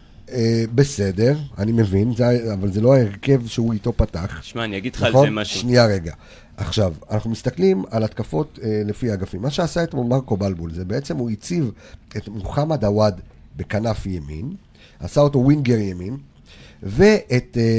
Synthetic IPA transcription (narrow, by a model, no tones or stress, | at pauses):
ebe̞se̞de̞ʁa̰nime̞vinzeaavalzelo̞aeʁke̞vʃeuito̞pataχaniaɡi̥naχo̞nʃʃnijaʁe̞ɡa | ʔaχʃavanaχnumist̪aklimalat̪kafo̞tle̞fiaɡafimːaʃeasaetmomaʁko̞balbulzebe̞et͡se̞muit͡siv | etmuχamadawad | be̞kanafjemḭn | a̰sao̞to̞winɡeʁjemin | ve̞ʔet